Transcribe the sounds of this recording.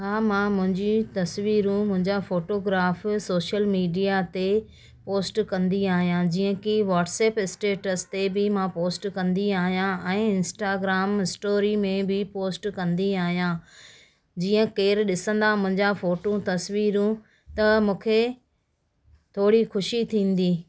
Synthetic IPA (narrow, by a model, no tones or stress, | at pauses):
ɦaːmãmʊ̃ɦɪ̃ɲd͡ʑit̪ɐsʋiːɾũmʊ̃ɦɪ̃ɲd͡ʑafoːʈoːɡɾaːfsoːʃəlmiːɖijat̪e | poːsʈkɐ̃nd̪iaːɦijãd͡ʑiːə̃kiʋaːʈsɛːpɪsʈeːʈəst̪ebɪmãpoːsʈkɐ̃nd̪iaːɦijãɛ̃ːɪ̃nsʈaːɡɾaːmɪsʈoːɾimẽbɪpoːsʈkɐ̃nd̪iaːɦijãː | d͡ʑiːə̃keːɾɗɪsə̃nd̪amʊ̃ɦɪ̃ɲd͡ʑafoːʈõt̪ɐsʋiːɾũ | t̪ɐmũːkʰe | t̪ʰoːɽixʊʃit̪ʰĩːn̆d̪iː